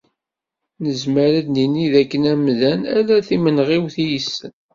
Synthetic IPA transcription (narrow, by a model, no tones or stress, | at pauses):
nəzməɾæd̪niniðækːənæmðænælæθimənʁiwθijəsən